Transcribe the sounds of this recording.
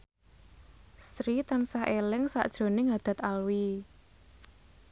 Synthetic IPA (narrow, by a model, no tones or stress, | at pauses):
sɾit̪ansahʔelɪŋsa̰ʔd̥ʒ̥ɾo̤nɪŋad̪̥a̤t̪alwi